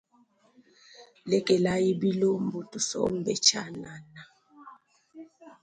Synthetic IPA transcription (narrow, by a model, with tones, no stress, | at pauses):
lɛ˦kʼɛ˨la˦ji˦bi˦lo˦m̩˨bu˨tʼu˨sɔ̰˦m̩˦bɛ˨t͡ʃʰa̰˦na˨na˨